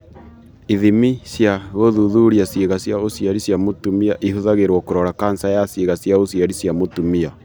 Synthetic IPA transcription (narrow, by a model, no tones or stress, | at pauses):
iðimisjaɣoðuðuɾiaseɣasjaosjaɾisjamotumiaʔihuðaɣeɾwɔkoɾɔɾakansajaseɣasjaosiaɾisjamotumia